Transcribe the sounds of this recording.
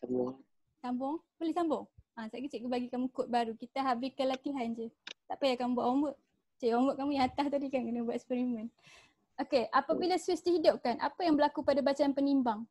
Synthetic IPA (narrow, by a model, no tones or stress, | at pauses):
sambɔŋ | sambɔŋ | pəlɪsambɔŋasaʔkət͡ʃeʔkəbaɡikamukʊt̪̚baɾukit̪aɦabɪkəlat̪iɦand͡ʒət̪aʔpajakambuaʔoməʔ̚ | t͡ʃeʔoməʔkamujaŋat̪aht̪adikankənəbuaʔ̪ɛspɛɾimə̃n | okeʔapabilaswɪsdiɦidʊp̚kanʔa̰pajaŋbəlakupadabat͡ʃaanpənimbaŋ